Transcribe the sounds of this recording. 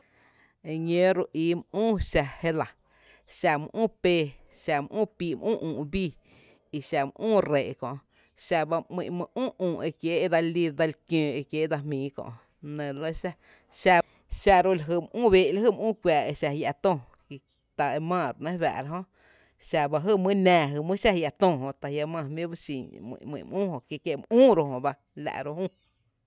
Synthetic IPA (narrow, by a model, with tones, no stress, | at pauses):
e˧ɲẽ˦ɾu˧ʔiː˧˨mʔũː˦˨ʃa˧he˦la˨ | ʃa˧mə̰̃˧ʔũː˦˨peː˧ | ʃa˧m˧ʔũː˦˨piː˧m˦ʔũː˦ʔũː˨ʔbiː˦˨ | i˧ʃa˧mə̰̃˧ʔũː˦˨ɾe˨ʔkɔ̰̃˨ | ʃa˧ba˧mḭ̃˧ʔmə̃˧ʔũː˦˨ʔũː˨ʔe˧kje˦e˦d̪a˧li˧d̪a˧lkjẽː˨˧˨e˧kje˦d̪a˧mĩː˨˦kɔ̰̃˧ʔ | nẽ˨lə˦ʃa˧ | ʃa˧ | ʃa˧ɾo˦la˨ɦə˧˨m˧ʔũː˦˨βe˦˧ʔla˦ɦə˦˨m˧ʔũː˦˨kʷjaː˨e˧ʃa˧hja˧˨t̪õ˧˨ | k | t̪a˨e˧mãː˧˨ɾnẽ˦βa̰˨ɾa˧ɦõ˦ʔ | ʃa˧ba˧ɦɨ˧˨mɨ̃˦nɛ̃ː˧˨ɦɨ˧˨mɨ̃˦ʃa˦hja˧t̪õ˧˨ɦõ˧t̪a˨ja˧mã˧˨mĩ˦ba˦ʃĩ˧˨mḭ̃˧˨ʔmḭ̃˧˨mʔũː˦˨hõ˧˨kje˧ke˧˨m˧ũː˦ɾo˧hõ˨ba˧ | la̰˧˨ʔɾo˧hũ˦